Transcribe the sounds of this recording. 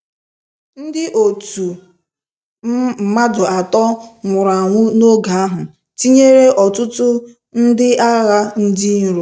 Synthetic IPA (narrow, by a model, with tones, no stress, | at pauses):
n̩˦dɪ˦ʔo˨tu˨˦˨ | ma˦dʊ˨a˨tɔ˦ŋʷʊ˨ɾa˨ŋʷʊ˦no˦ɡa˨a˦ɦʊ˨ | ti˦ɲe˦ɾe˦ʔɔ˨tʊ˦tʊ˦ | n̩˦dɪ˦a˦ɣa˦n̩˦di˦n̩˦ɾo˨